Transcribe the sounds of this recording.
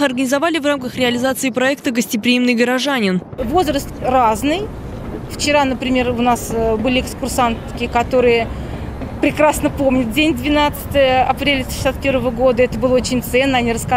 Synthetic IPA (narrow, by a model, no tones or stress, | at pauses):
xɐrɡənʲɪzɐvalʲɪvramkəxɾʲɪɐlʲɪzat̪sɨɪpɾɐɛkt̪əɡəsʲtʲɪpɾʲɪimnɨjɡəɾɐʐanʲɪn | vo̞zrəst̪raznɨj | ft͡ɕɪɾanəpɾʲɪmʲe̞rʊnasbɨlʲɪɪkskʊrsant̪kʲɪkɐt̪o̞ɾɨjə | pɾʲɪkɾasnəpo̞mnʲʊt̪̚dʲenʲd̪vʲɪnat̪sɨ̥t̪əjəɐpɾʲelʲɪ̥ʃɪsʲat̪̚pʲe̞ɾvəvəɡo̞d̪əɛt̪əbɨlˠəot͡ɕɪnʲt̪sɛnːəɐnʲiɾəska